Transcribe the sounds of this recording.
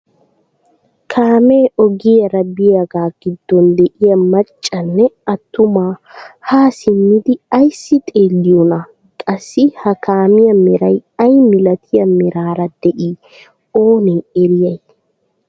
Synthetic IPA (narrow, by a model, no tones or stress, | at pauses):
kʰaːmeːʔɔɡɪjɐɾɐbɪjɐɡaːɡ̥ɪd̪̥ːɔnd̪ɛʔɪjɐmɐt͡ʃʼːɐnːɛɐt̪ːʊmaːhaːsɪnːɪd̪ɪɐjsːɪt̪ʼeːlːɪjɔnɐ | kʼɐsːɪhɐkʰaːmɪjɐmɪɾɐjɐjmɪlɐt̪ʰɪjɐmɪɾaːɾɐd̪̥ɛʔiː | oːneːɛɾɪjɐj